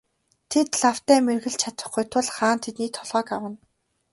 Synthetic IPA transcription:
t̪ʰet̪ɮaw̥t̪æːmerɣɘ̆ɮt͡ɕʰat̪ə̆χɡujt̪ʰʊɮχaːnt̪ʰet̪niːt̪ʰːɔɮʁœːkawə̆n

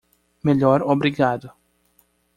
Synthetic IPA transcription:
meʎɔɾobɾiɡad̪ʊ

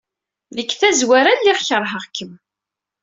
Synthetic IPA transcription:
ðəkːθæzwæɾænlɪʁçəɾˤɦəʁkːəm

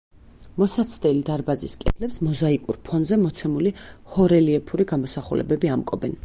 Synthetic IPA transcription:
mɔsat̪sʰd̪ɛlid̪aɾbaziskʼɛ̰d̪lɛpsmɔzaikʼuɾpʰɔnzɛmɔt̪sʰɛmulihɔɾɛliɛpʰuɾiɡamɔsaχṵlʔɛ̰bɛbiamkʼɔbɛn

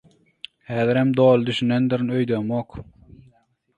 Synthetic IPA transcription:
hæːðɪɾhæmd̪oːlˠɯd̪yʃynend̪iɾnøjd̪ømoq

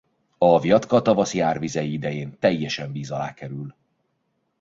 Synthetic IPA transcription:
ɒvjɒt̪kɒt̪ɒvɒsjaːrvizɛjiid̪ɛjeːnt̪ɛjːɛʃɛɱbiːzɒla̰ːkɛɾyl

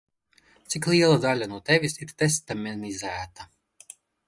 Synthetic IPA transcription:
t̪siklˠiɛlˠad̪alʲanuɔt̪ɛvʲisiɾt̪est̪amʲɛnizæːt̪a

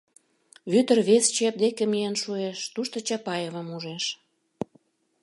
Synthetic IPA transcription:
βyt̪ərβest͡ɕep̚d̪ekemijenʃueʃt̪uʃt̪ot͡ɕɑpɑjeβə̆muʒeʃ

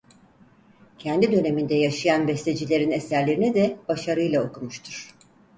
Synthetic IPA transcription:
cʰɛnd̪id̪ø̞ne̞mind̪ɛjaʃɯjanbɛst̪e̞d͡ʒilʲe̞ɾinesæɾlʲe̞ɾinɛd̪ɛb̥aʃaɾɯjlˠaokumuʃt̪ʰuɾ̥

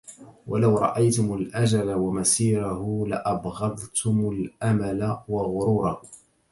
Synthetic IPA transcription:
wʔalawɾˤɑ̰ʔajt̪ʊmʊlʔad͡ʒalawamasiːɾahʊlaʔɑbɣɑðˤt̪ʰʊmʊlʔamalawaɣʊɾuːɾˤɑ

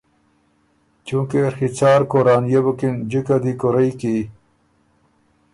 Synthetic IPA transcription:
t͡ɕũːkexit͡saːɾkoɾaːnjebukind͡ʑikad̪ikoɾɐjki

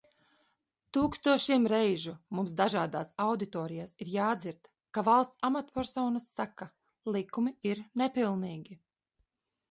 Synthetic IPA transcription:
t̪uːkst̪uɔʃiɛmɾɛjʒumumsd̪aʒaːd̪aːsawd̪it̪ɔːɾijaːsiɾjaːd̪ziɾt̪ | kavalˠst̪samat̪pɛɾsɔːnasːaka | lˠikumiiɾnɛpilˠniːɡʲi

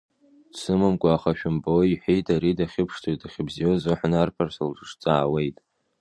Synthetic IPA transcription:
sʰɨmamkʷʼaːχaʃᶣʊmboiħʷejtʰʼaɾidaχʲɪpʰʂtʰotaχʲɪbzijozoħʷnarpʰarsalʈ͡ʂʼɨʂt͡sʼaːwe̞jtʼ

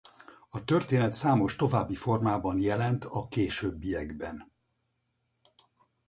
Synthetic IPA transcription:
ɒt̪ørt̪eːnɛt̪saːmo̞ʃt̪o̞vaːbːifo̞rmaːbɒnjɛlɛnt̪ɒkeːʃøːbːijɛɡbɛn

